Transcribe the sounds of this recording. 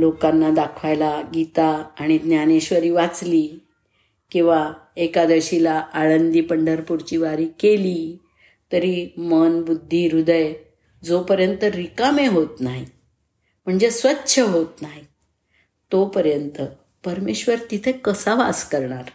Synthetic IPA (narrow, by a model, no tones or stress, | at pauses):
lokanːad̪akʰʋajlaɡit̪aːɽ̃id̪njaneɕʋəɾiːʋat͡sliː | kĩw̃ʋaekad̪əɕilaːɭənd̪iːpəɳɖəɾpuɾt͡ɕiːʋaɾiːkeliː | t̪əɾimənbud̪ʱːiːɾud̪əj | d͡zopəɾjənt̪əɾikameɦot̪naɦi | m̤əɳd͡zesʋətːɕʰəɦot̪naɦi | t̪opəɾjənt̪ə | pəɾmeɕʋəɾt̪it̪ʰekəsaʋaskəɾɳaɾ